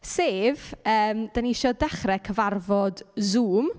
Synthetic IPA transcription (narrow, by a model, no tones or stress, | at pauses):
seːvəːmd̥aniʃɔdɛχrɛkʰəvarvɔdzuːm